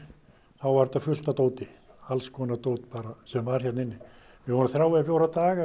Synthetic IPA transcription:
θawvaɾt̪afʏl̥t̪at̪oːwt̪ɪ | alskʰɔːnat̪owt̪paːɾasɛmvaɾ̥çɛt̪nɪnːɪ | vɪvɔɾʏnθɾawvɛfjowɾat̪aːɣa

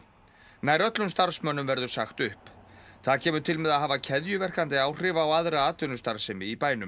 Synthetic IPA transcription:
naːjɾœt̪lʏmst̪aɾ̥smœnʏmvɛɾðʏɾ̥saxt̪ʏhpθaðcʰɛːmʏɾt̪ʰɪlmɛðaðɦaːvacʰɛðjʏvɛr̥kant̪ɪaːwr̥ɪvaːwaðɾaaːt̪vɪnʏ̥st̪aɾ̥sɪmɪipaːjnʏm

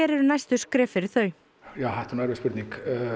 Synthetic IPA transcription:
ɛɾɛɾʏnajst̪ʏ̥skɾɛːfɪɾɪɾθœːɥ | jaːwhajht̪nuɛɾvɪspʏɾt̪niŋk

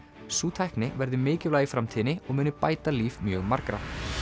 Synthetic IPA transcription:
suːt̪ʰajhknɪvɛɾðʏmɪːcɪvlaːjɪfɾamt̪ʰiːnɪɔɣmʏːnʏpaːjt̪aliːvmjœːɣmaɾkɾa̰

